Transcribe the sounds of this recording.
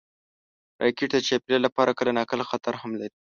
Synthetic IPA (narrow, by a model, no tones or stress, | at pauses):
ɾʔɑ̰jkeʈd̪ət͡ʃapilalapɑɾakəlanɑkəlaxat̪aɾhamlaɾi